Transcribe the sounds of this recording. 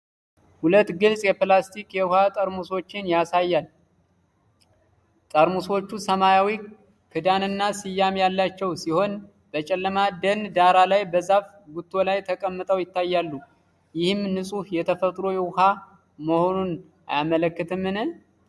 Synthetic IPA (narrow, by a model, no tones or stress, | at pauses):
hulət̪ːɡɨlsʼjɛplast̪ʰikjɛwʊhat̪ʼəɾmuso̞t͡ʃːɪnjasajːal | t̪ʼəɾmuso̞t͡ʃːusəmajawi | kʰɨd̪anɨnːasɨjːamjalːat͡ʃːɛwsiho̞n | b̥ət͡ʃʼɛlːəmad̪ənd̪aɾalajbəzaf | ɡut̪ʰːo̞lajt̪ʰəkʼəmːɨt̪ʼəwjɪt̪ʰːajːalːu | jɪhɨmnɨsʼuhjɛt̪ʰəfət̪ʼɾo̞jɛwʊha | məho̞nun | ajamələkːɨt̪ʰɨmːɨnɨ